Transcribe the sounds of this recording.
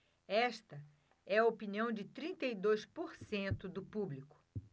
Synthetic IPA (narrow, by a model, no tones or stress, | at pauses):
ɛʃt̪ɐ | ɛɐopiniɐ̃w̃d͡ʒɪt̪ɾĩnt̪ejd̪ojspoɾsẽnt̪ʊd̪ʊpublikʊ̥